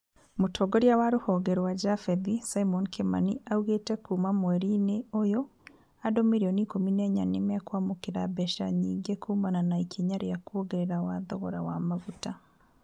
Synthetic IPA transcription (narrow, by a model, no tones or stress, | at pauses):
mutʰoɡoɾjawaɾuhoɡeɾwad͡ʒafeðisaimonkʰema̰niauɣetekuːmamweɾineojo | adomiɾionikomineɲanemakwamukiɾabɛʃaɲiːŋɡekʰuːmananaikʰiɲaɾejakuoɡeɾeɾawaðɔɣɔɾawamavuta